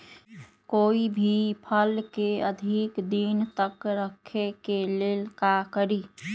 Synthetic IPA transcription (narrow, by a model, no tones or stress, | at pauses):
koːibʱipʰəlkeəd̪ʱikd̪int̪əkɾəkʰːekeleːlkakəɾi